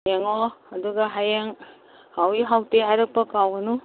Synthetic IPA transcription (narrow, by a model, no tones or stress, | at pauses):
jeŋɔɐduɡɐɦajeŋ | hawiɦawteɦajɾɐk̚pɐkawɡɐnu